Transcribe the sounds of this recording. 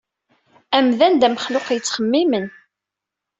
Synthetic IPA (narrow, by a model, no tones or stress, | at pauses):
æmðænd̪æməχlʊqjət͡sːχəmːimən